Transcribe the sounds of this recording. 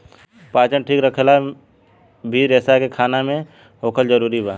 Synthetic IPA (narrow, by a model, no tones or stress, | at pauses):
paːt͡ʃəɳʈʰiːkɾəkʰla | bʱiːɾɛːsakekʰaːnamẽ | ɦoːkʰəld͡ʒəɾuːɾibaː